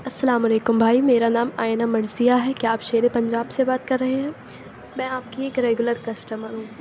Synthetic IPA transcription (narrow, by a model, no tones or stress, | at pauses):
ɐsːɐlaːmʊleːkʊmbʱaːimeːɾanaːmaːjnamɐɾzijaɦɛkjaːpʃeːɾepɐ̃ɲd͡ʒaːbsebaːt̪̚kɐɾːɐɦeɦɛ̃ː | mɛ̃ːaːp̚kieːkɾeːɡʊləɾkɐsʈəməɾɦũː